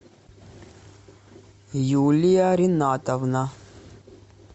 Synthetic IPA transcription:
juːlijaɾinaːt̪ɐʋna

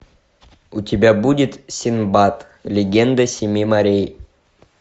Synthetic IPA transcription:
ʊtʲɪbʲabudʲɪt̪sʲɪnbat̪ | lʲɪɡʲend̪əsʲɪmʲimɐɾʲej

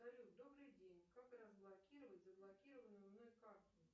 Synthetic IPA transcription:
aɾʲud̪obɾɨjdʲenʲkakrəzblˠakʲiɾəvətʲzəblˠakʲiɾəvənɨnɔjkart̪ɨ

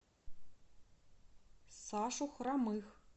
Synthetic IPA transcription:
saːʂuxʷramɨx

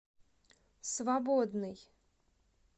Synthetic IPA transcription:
svabod̪nɨj

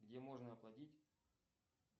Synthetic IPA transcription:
ɡdʲemo̞ʐnəɐplˠɐtʲitʲ

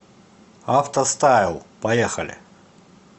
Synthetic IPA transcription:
aft̪ɐst̪ajɪlˠpɐjɛxɐlʲɪ̰

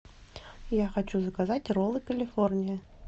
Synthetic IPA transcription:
jaxat͡ʃuzɐkazat͡sʲrɔlˠɨkɐlʲifɔrnʲijɐ

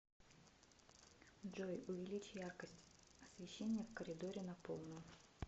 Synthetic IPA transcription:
dʐojʊvʲɪlʲit͡ɕjarkəsʲtʲ | ɐsvʲɪɕːenʲːɪjəfkəɾʲɪd̪oɾʲɪnɐpo̰lˠnɨm

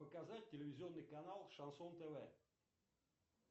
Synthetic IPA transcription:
pəkazat̚ʲtʲːɪlʲɪvʲɪzʲɪɔnːɨjkanalˠʂɐnsɔnt̪ɛvɛ

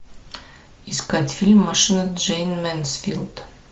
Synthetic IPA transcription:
iskat̪ʲfʲilʲmːɐʂɨnɐd͡ʒejnmɛnsfʲḭlˠd̪̥

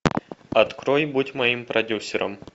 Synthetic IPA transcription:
ɐt̪kɾojbutʲmɐimpɾʔɐdʲusʲɪɾə̰m

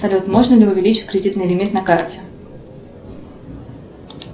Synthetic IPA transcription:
sɐlʲut̪moʐnəlʲɪʊvʲɪlʲit͡ɕɪ̥tʲkɾʲɪdʲit̪nɨjɪlʲɪmʲit̪nɐkartʲɪ

